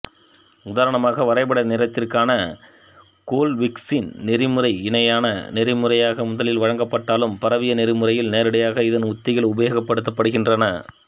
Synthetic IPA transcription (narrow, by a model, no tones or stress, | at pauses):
ʊðaːɾɐɳɐmaːɣɐʋɐɾɐɪbɐɽɐnɪɾɐt̪ːɪrkaːnɐ | koːlʋɪksinnɪɾɪmɯrɐɪɪnɐjaːnɐnɪrɪmɯɾɐjaːɣɐmʊðɐlɪlʋɐɻɐŋɡɐpːɐʈːaːlɯmpɐɾɐʋɪjɐnɪɾɯmɯɾɐjɪlneːɾɪɽɐjaːɣɐɪðɐnʊt̪ːɪjɐlʊbɐjoːɣɐpːɐɽɯt̪̬ːɐpːɐɽɯɣɪndrɐnɐ